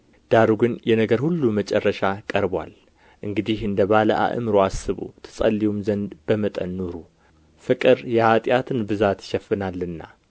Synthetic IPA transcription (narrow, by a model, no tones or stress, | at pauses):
d̪̥aɾuɡɨnjɛnəɡəɾhulːumət͡ʃʼɛrːəʃakʼəɾbwa̰l | ʔɨŋɡɨd̪ihɨnd̪əβalə̰ʔa̰ʔɨ̰mɾoasːɨβṵt̪ʰɨ̥sʼə̰lːiwumzənd̪bəmət̪ʼənːuɾu | fɨkʼɨɾjɛhat̪ʼjat̪ʰɨnbɨzat̪ʃɛfːɨnalːɨnːa̰